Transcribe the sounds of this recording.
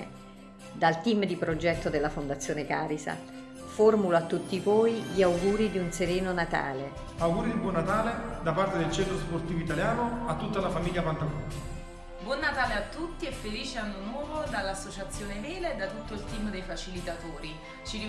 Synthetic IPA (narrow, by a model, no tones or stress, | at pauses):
d̪alt̪imd̪ipɾod͡ʒɛt̪ːod̪elːafond̪at̪sːjoːnekaːɾisa̰ | formulat̪ːut̪ːivoːjʎiawɡuːɾid̪iunseɾeːnonat̪a̰ːle | awɡuːɾid̪ibwɔnːat̪aːled̪apart̪ed̪elt͡ʃɛnt̪ɾosport̪iːvoit̪aljaːnoat̪ːut̪ːalafamiʎːapant̪aɡu | bwɔnːat̪aːleat̪ːut̪ːiɛfːeliːt͡ʃeanːonwɔːvod̪alːasːot͡ʃat̪sːjoːneveːled̪ːat̪ut̪ːoilt̪iːmd̪ejfat͡ʃilit̪at̪oːɾi | t͡ʃiɾi